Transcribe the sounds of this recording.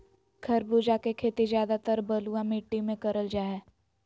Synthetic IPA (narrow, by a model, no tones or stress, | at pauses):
ɡʰʱɐɾbuːd͡ʒakekʰeːt̪izjaːd̪at̪əɾbəluãmɪʈːimẽkɐɾəld͡ʒaːɦɛː